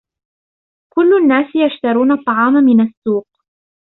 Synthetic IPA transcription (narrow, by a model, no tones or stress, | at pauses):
kʊlːʊanːaːsɪjaʃt̪ɑɾˤuːnɑt̪ˤːɑʕɑːmamɪnasːuːq̚